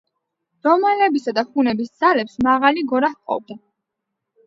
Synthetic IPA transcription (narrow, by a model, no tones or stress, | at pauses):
ɾ̥ɔmalɛbisad̪aχunɛbisd̪z̥alɛpsmaʁaliɡɔɾahqʼɔ̰b̚d̪a